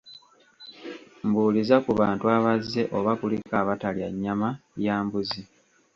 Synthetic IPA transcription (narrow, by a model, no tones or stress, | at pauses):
mbuːlizakuβaːntuaβazːe̞ʔo̞βakulikaβatalja̰ɲːamajaːmbuzi